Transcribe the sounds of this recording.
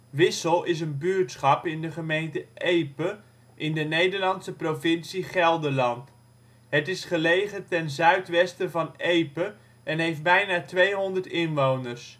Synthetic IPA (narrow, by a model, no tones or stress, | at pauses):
ʋɪsəlˠɪs̬ənbyːtsχɑpɪndəχəmejntəʔejpə | ʔɪndənejdəɹlɑntsəprovɪnsiχɛlˠdəlɑnt | ɦətɪsχəlejχətɛnzœɥtʋɛstəvɑnejpə | ʔɛnɦejft̚bɛjnaːtʋejɦɔndəɹtɪnʋownəɹs